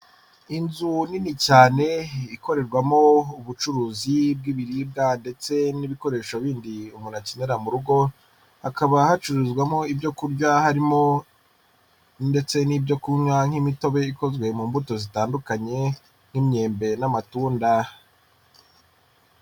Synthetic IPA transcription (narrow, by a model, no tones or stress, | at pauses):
inzuninicaːne̞iko̞ɾe̞ɾɡwamo̞uβut͡ʃuɾuːzib̚ɡiβiɾiːb̚ɡande̞t͡se̞niβiko̞ɾe̞ːʃoβiːndiumunaceneɾamuɾuɡo̞ | hakaβahat͡ʃuɾuzɡwamo̞ibɟo̞kuɾɟahaɾimo | nde̞t͡se̞niːbɟo̞kuɲwaŋ̥himito̞βe̞iko̞zɡwe̞muːmbuto̞zitaːndukaɲe̞ | n̥imɲe̞ːmbe̞namatuːnda